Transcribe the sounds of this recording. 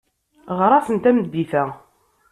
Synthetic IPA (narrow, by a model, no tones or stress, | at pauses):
ʁəɾˤɑsənt̪æmd̪ːiθæ